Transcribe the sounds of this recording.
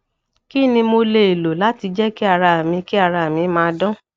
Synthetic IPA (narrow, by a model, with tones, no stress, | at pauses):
ki˦˨nĩ˧mo˧le˧e˨lo˨la˨˦ti˧d͡ʒɛ˦ki˦a˨ɾa˧a˨mĩ˧ki˦a˦˨ɾa˧˨a˨mĩ˧mãː˧dɔ̃˦